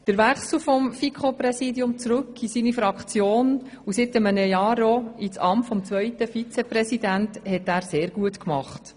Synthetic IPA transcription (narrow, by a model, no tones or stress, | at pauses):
d̥əɾʋæχsl̩ufɔmfikʰχopɾɛsiːdiʊmt͡sɾɵkːisiːnifɾɑkχt͡sjoːn | usɪtəmənəjɑːɾoit͡sɑmtfɔmt͡sʋœʏtəfit͡sɛprɛsidænthɛtæːɾseːɾɡ̥uətkmɑχt